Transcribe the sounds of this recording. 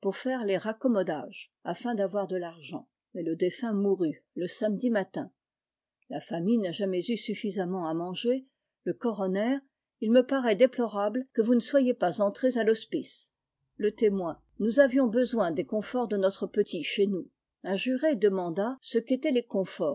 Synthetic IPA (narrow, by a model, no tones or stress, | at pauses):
puʁfɛʁleʁakɔmɔd̪aʒ | a̰fɛ̃d̪avwaʁd̪əlaʁʒɑ̰̃ | mɛləd̪efɛ̃muʁyləsamd̪imat̪ɛ̃ | lafamijnaʒamɛzysyfizamɑ̃amɑ̃ʒe | ləkɔʁɔnɛːʁ | ilməpaʁɛd̪eplɔʁablkəvunəswajepazɑ̃t̪χezalɔspis | lət̪emwɛ̃ | nuzavjɔ̃bəzwɛ̃d̪ekɔ̃fɔʁd̪ənɔt̪χəpət̪iʃenu | ɛ̃ʒyʁed̪əmɑ̃d̪asəket̪ɛlekɔ̃fɔːʁ